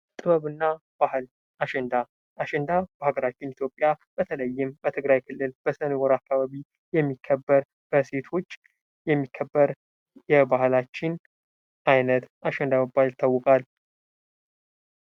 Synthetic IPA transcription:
t̪ʼɨβəβɨnːa | b̥ahl | aʃɛnd̪a | ʔaʃɛnd̪ab̥əhaɡəɾat͡ʃːɪnit̪ʰjo̞pʼːjab̥ət̪ʰələjːɪmbət̪ʰɨɡɾajkʰɨlːɨlb̥əsənwɔɾakʰːaβaβi | jɛmːikʰːəbːəɾ | b̥əse̞t̪ʰo̞t͡ʃː | jɛmːikʰːəbːəɾ | jɛbahlat͡ʃːɪn | ʔajnət̪aʃɛnd̪aməbalt̪ʰːawːʊkʼal

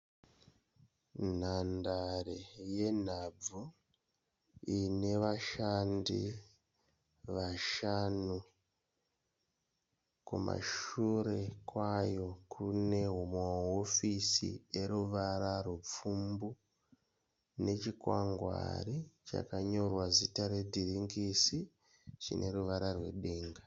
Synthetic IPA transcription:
nandaɾeje̞nab͡vu | ine̞ʋaʃaːndḭ | ʋaʃanu | kuma̰ʃuɾe̞kwaːjo̞kʰune̞ɦumoaofisḭe̞ɾuʋaɾarup͡fumbu | ne̞t͡ʃikwaŋɡwa̰rit͡ʃa̰kaɲo̞rwazitaɾe̞dʱiriŋɡisi | t͡ʃḭnʔe̞ɾuʋaɾarwe̞̰ɗeːŋɡa

